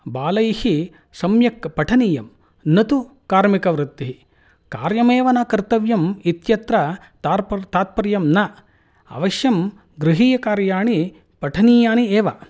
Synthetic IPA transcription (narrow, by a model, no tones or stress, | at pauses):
baːlɐjhi | sɐmjɐkɐpɐʈʰɐniːjɐm | nɐt̪u | kaːɾmikɐʋɾɪt̪ːiɦi | ka̰ːɾjɐmeːʋɐnaːkɐɾt̪ɐʋjɐmit̪jɐt̪ɾɐ | t̪aːpt̪aːt̪̚pɐɾjɐmnɐ | ɐ̰ʋɐʃjɐm | ɡɾɪɦiːjɐkaːɾjaːɳi | pɐʈʰɐniːjaːnieːʋɐ